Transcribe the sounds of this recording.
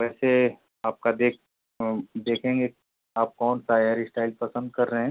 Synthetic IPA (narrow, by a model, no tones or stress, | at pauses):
ʋɛːse | aːp̚kad̪eːk | d̪eːkʰẽːŋɡe | aːp̚kɔːnsaːjaːɾisʈaːɪlpɐsə̃nd̪̚kɐɾːəɦɛ̃ː